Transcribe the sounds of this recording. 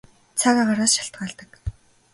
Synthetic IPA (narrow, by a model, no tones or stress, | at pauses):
t͡sʰaɣaːɢaɾaːsʃaɬt̪̚ɢaːɮt̪ə̆k